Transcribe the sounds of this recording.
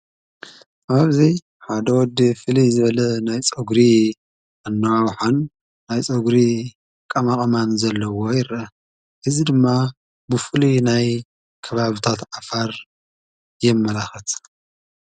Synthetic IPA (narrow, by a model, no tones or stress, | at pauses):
ʔaβzi | ħad̪ɐwɔd̪ifɨlijzɨβɐlɐnajt͡sʼoɡɾi | ʔanːɐwawħanː | ajt͡sʼɐɡɾi | kʼɐmakʼɐmanzɐlːɐwojɪɾɐ | ʔɨzid̪ɨmːa | bɨfɨlunaj | kʰɐβaβit̪ʰat̪ʕafaɾ | jɛmːɐlaxɐt̪